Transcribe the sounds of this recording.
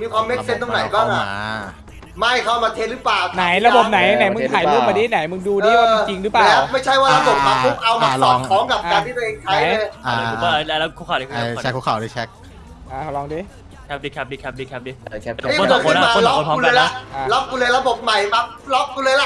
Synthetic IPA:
miː˧kʰwaː˧mːe˦˥se˧nt̪ʰa˧ŋna˨˦jbaː˥˩ŋʔa˧˩ | ma˥˩jkʰa˥˩maː˧t̪ʰe˧nɾɯ˦˥plaː˨˩wna˨˩˦jɾa˧bo˨˩p̚na˨˩˦jna˨˩˦jmɯ˧˦ŋt̪ʰaː˨˦jlu˧˩ma˧˩diː˥˩˨na˨˩˦jmɯ˧ŋduː˧diː˧˥˧t͡ɕi˧ŋɾɯː˦˥paːlɛː˦˥wma˥˩jt͡ɕʰa˥˩jwaː˥˩ɾa˧bo˨˩p̚maː˧˥u˦˥p̚ʔa˧wma˧ɔː˨˩˧kʰɔː˨˦ŋka˨˩p̚ːkaː˧t̪ʰiː˥˩˧ʔeː˧ŋt̪ʰa˦˩jlɤ˧jʰa˧˥˩lɛ˦˧˥lɛ˦˥kʰu˧˥˩ka˨˩di˧˥kʰːa˧˩˨kʰːkʰa̰˨˩da˦˩t͡ɕʰɛ˦˥k̚ | ʔaː˧˩kʰa˨˩˦lɔː˧ŋdiː˧˩ | kʰa˦˥p̚diː˧˩kʰa˦˥p̚diː˧kʰa˦p̚diː˧kʰa˦˥p̚diː˧˥˨a˥˨˦ɔo˧nkʰːn˥˧aːko˧˨lːɔ˦˥˨pʰɔ˦u˧lɛɤː˧˨˧lːlɔ˦˥p̚kuː˧lɤː˧jɾa˧bo˨˩p̚ma˨˩jma˦˥k̚lɔ˦˥p̚ku˧lɤː˧jla˧˩ʔ

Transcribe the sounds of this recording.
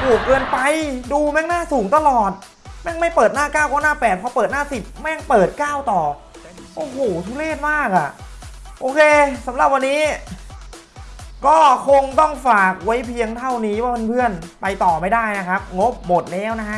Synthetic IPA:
pʰuː˨˩kːɤː˧npa˧jduː˧mɛ˥˩ŋnaː˥˩suː˩˦ŋt̪a˧lɔː˨˩t̪̚ | mɛ˥˩ŋma˥˩jpɤː˨˩t̪̚naː˥˩kaː˥˩wkaː˧˥˩naː˥˩pɛː˨˩t̪̚pʰɔ˧˥pɤː˨˩t̪̚naː˥˩si˨˩p̚mɛ˧˥˧ŋpɤː˨˩t̪̚kaː˥˩wt̪ɔː˨˩ | ʔoː˧hoː˨˩t̪ʰu˧˥leː˥˩t̪̚maː˥˩k̚a˨˩ | ʔoː˧kʰeː˧sa˨˩˦mɾa˨˩p̚wa˧nːiː˦˥ | kɔː˥˩kʰo˧ŋt̪ɔ˥˩ŋfaː˨˩k̚wa˦˥jpʰi˧əŋt̪ʰa˥˩wniː˦˥waː˥˩pe˧npʰɯ˥˩ənpa˧jt̪ɔː˨˩ma˦˥˩jdaː˥˩jna˦˥kʰa˦˥p̚ŋo˦˥p̚mo˨˩t̪̚lɛː˦˥wna˦˥kʰa˦˥ʔ

